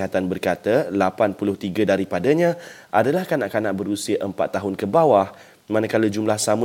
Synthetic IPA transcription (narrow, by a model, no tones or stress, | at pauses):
at̪anbərkat̪alapanpulʊht̪iɡadaɾipadaɲãʔadalahkanaʔkanaʔbəɾusiaʔəmpa̰t̪ːaɦʊnkəbawah | mãnakalad͡ʒumlahsamu